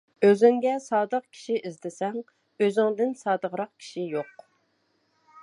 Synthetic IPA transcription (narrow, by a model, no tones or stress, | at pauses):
øzyŋɡʲɛsɑːd̪əq̚kʲʰi̥ʃiʔizd̪ɪsɛŋ | øzɪŋd̪ɪnsɑːd̪əʁɾɑq̚kʲʰi̥ʃijoq